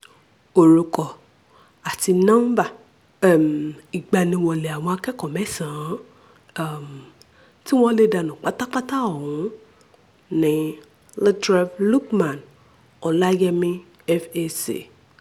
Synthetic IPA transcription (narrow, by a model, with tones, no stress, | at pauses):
o˨ɾu˨kɔ˨ | a˨ti˧nã˦m̩˦ba˦˨ | mi˨ɡ͡ba˨nĩ˧wɔ˨lɛ˨a˨w̃ɔ̃˧a˧kɛ˦kɔ˨mɛ˨˦sã˨˦˨ | m˨ | ti˦w̃ɔ̃˦le˦da˧nũ˨k͡pa˦ta˦k͡pa˦ta˦ɔ˨hũ˨˦ | nĩ˧ | li˦tɾɛ˧flu˦kmã˨n | ɔ˨la˦jɛ˦mĩ˦ | ɛ˦fe˦sḛ˨